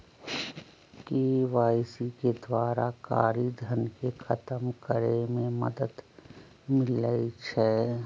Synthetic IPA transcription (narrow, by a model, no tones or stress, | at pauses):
keːʋaːɪsiked̪waːɾaka̰ːɾid̪ʱɐnkexɐt̪əmkəɾemẽmɐ̰d̪əd̪ | mɪləit͡ʃʰɛː